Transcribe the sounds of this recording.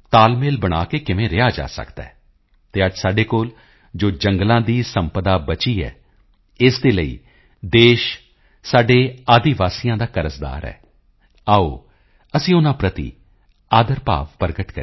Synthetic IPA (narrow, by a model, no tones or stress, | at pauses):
t̪aːlmeːlbəɽ̃aːkeːkɪʋẽːɾɪaːd͡ʒa̰ːsə̰kd̪aɛ̰ː | t̪eːəd͡ʒsaːɖeːkoːl | d͡ʒoːd͡ʒəŋɡlãːd̪iːsəmpəd̪aːbət͡ʃiːɛ̰ː | ɪsd̪eːləḭː | d̪eːʃ | saːɖeːaːd̪iːʋaːsijãːd̪aːkəɾəsd̪a̰ːɾɛ̰ː | aːo̰ː | əsĩːʊnãːpɾət̪ḭː | aːd̪əɾpa̰ːʋpəɾɡəʈkə